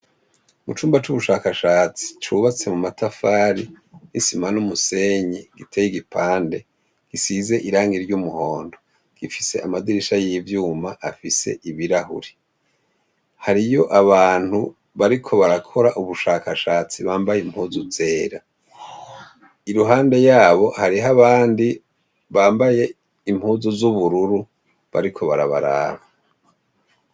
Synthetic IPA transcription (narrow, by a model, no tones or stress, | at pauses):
mut͡ʃuːmbat͡ʃuβuʃaːkaʃaːt͡si̥t͡ʃuβat͡se̞mumatafaːɾi | nisimanumuse̞ːɲiɡ̥itʰejiɡipʰaːnde̞ | ɡ̥isize̞ʔiɾaːŋɡiɾɟumuho̞ːndo̞ | ɡ̥ifise̞̰ʔamadiɾiʃajivjuːmaʔafise̞̰ʔiβiɾahṵɾe | haɾijo̞ʔaβaːn̥hu | βaɾikʰo̞βaɾakʰo̞ɾaʔuβuʃaːkʰaʃaːt͡siβaːmbajeim̥huːzuze̞ːɾa | iɾuɦaːnde̞jaːβo̞haɾiɦaβaːndi | βaːmbaje̞ | imhuːzuzuβuɾuɾu | βa̰ɾikʰo̞βaɾa̰βa̰ɾa̰ːβa